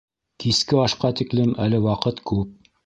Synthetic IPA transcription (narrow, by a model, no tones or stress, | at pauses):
kiskɘɑʃqɑt̪iklɘmælɘwɑqɤt̪kʉp̚